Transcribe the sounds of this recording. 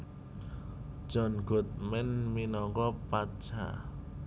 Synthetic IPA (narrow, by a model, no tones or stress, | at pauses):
ʒ̥ɔ̤nɡ̥o̤t̪̚mɛnminɔkɔpḁʒ̥a̰